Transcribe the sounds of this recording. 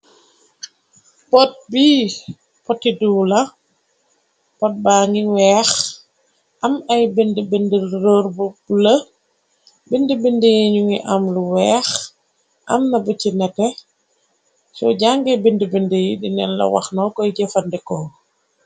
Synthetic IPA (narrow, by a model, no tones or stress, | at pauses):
pɔt̚bi | pɔtːiduːlɐ | pɔt̚baːŋiwɛːx | ʔɐmɐjbindəbindəlɾoɾbublɐ | bindəbindəjiɲuŋiʔɐmluwɛːx | ʔɐ̰mnɐbəcinɛtɛ | sɔ̰ɟaŋɡɛbindəbindəjidinɛ̰nlɐ̰wa̰xnɔkɔjɟɛfɐndɛkɔ